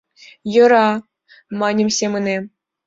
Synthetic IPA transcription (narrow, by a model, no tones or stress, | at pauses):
jɤ̆ɾɑ | mɑnʲɤ̆mʲsʲemɘ̆ne